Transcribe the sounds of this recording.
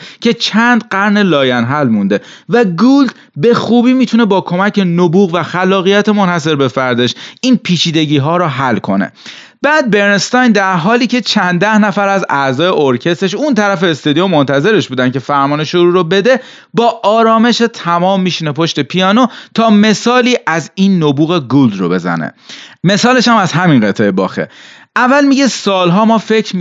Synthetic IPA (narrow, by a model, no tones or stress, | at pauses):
cʰe̞t͡ʃʰænd̪ɢæɾne̞lɒːjænɦælmund̪e | væɡuld̪̥ | be̞xuːbiːmiːt̪ʰune̞bɒːkʰo̞mæcʰe̞nobuːɣvæxælːɒːɣijæt̪ʰemonhæse̞ɾbe̞fæɾd̪eʃʔiːnpʰiːt͡ʃʰiːd̪e̞ɟiːɦɒːɾɔːɦælkʰo̞̰nḛ | b̥æːd̪̚be̞ɾnest̪ɒjnd̪æɾɦɒːliːcʰe̞t͡ʃʰænd̪æhnæfæɾæzæzɒːjeʔoɾcʰe̞st̪e̞ʃ̬unt̪ʰæɾæfeːst̪ɒd̪iomːont̪ʰæze̞ɾe̞ʃbuːd̪æncʰe̞fæɾmɒːneʃoɾuːɾobe̞d̪e̞ | bɒːʔɒːɾɒːme̞ʃet̪ʰæmɒːmːiːʃinepʰo̞ʃt̪e̞pʰijɒːno̞t̪ʰɒːme̞sɒːliːʔæziːnːobuːɣe̞ɡuld̪ro̞̰be̞zæ̰nḛme̞sɒːle̞ʃæmæzɦæminɢet̪ʰejebɒ̰ːxḛ | ʔævːælmiɟe̞sɒːlɦɒːmɒːfe̞cʰɾ